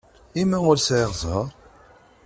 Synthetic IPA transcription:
imæʊɾsʕɪʁzˤəˤ

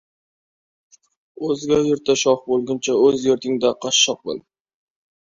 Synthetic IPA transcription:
ɵzɡʲajeɾt̪ʰːaʃɒfbolˠɡʲɪnt͡ʃʰaɵzjeɾt̪ʰɪŋd̪aqʰɑʃːɑq̚bo̰l

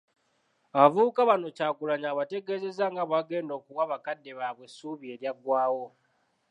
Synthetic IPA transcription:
aβavukaβano̞caːkulaɲaβate̞ɡe̞ːze̞zaŋɡaβaɡe̞ːndo̞ːkuwaβakadːe̞βaβwe̞suːβie̞ːɾjaɡwaːwo̞

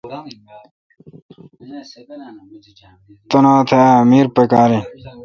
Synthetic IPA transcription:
t̪onaːt̪ʰeamiːɾpekaːɾi

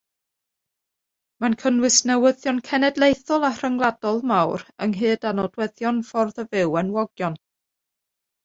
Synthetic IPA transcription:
mankʰənwɨsnɛwəðjɔnkʰɛnɛdlˠejθɔlˠar̥əŋlˠadɔlˠmawɾəŋɦɨːdanɔdwɛðjɔnfɔrðəvɪwɛnwɔɡjɔn

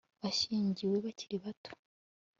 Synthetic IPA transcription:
βaʃiːɲɟiwe̞βaciɾiβato̥

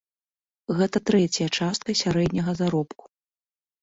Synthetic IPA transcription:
ɣɛt̪ɐt̪ɾɛt͡sʲjɐt͡ʂast̪̚kɐsʲaɾɛd̪ʲnʲɐɣɐzaɾɔpku̥

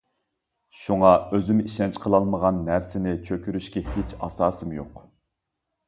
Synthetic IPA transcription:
ʃuŋɑøzymiʃɛnt͡ʃqʰəlˠɑlˠməʁɑnːæɾsɪnɪt͡ʃʰøkʲyɾyʃkʲɛhet͡ʃʰɑ̰sɑːsɨmjoq

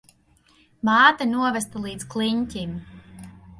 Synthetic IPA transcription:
maːt̪anuɔvɛst̪alˠiːd̪skliɲcʲim

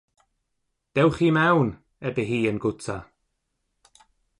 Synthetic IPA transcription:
d̪̥ɛwxiːmɛwn | ɛbəɦiːənɡʊt͡sa

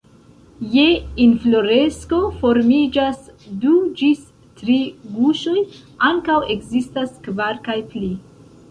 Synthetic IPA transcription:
je̞inflo̞ɾe̞sko̞fo̞ɾmid͡ʒasdud͡ʒis | tɾiɡuʃo̞j | aŋkawe̞kzistaskvaɾkajpli

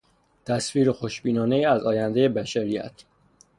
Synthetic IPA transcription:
t̪ʰæsfiːɾexoʃbiːnɒːne̞jiːæzɒːjænd̪e̞jebæʃæɾijæ̰t̪ʰ

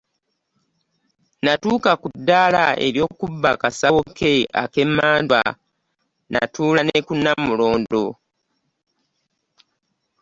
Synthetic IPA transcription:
natuːkakudːala̰e̞̰ɾjo̞ːkubːakasawokʰe̞a̰ke̞mːaːndwa̰ | na̰tuːlanekunːamulo̞ːndo̞

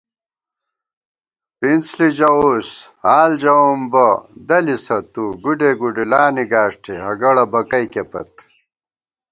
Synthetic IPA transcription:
pint͡slid͡ʑɐushaːld͡ʑɐwumbɐd̪ɐlisɐt̪uɡuɖeɡuɖilaːniɡaːʂʈʰeɦɐɡɐɽɐbɐkɐjkepɐ̰t̪̚

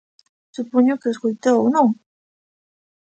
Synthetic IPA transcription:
supoɲʊkeeskojt̪owonõŋ

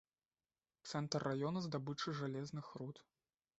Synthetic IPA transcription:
t̪sɛnt̪ɐrːajɔnɐzd̪abɨt͡ʂɨʐalʲɛznɨxɾut̪

